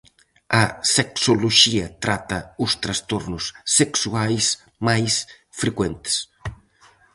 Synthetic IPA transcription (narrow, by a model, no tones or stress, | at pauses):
ɐseksoloʃiɐt̪ɾat̪ɐust̪ɾɐst̪oɾnʊsːeksuajs | majs | fɾekwent̪e̥s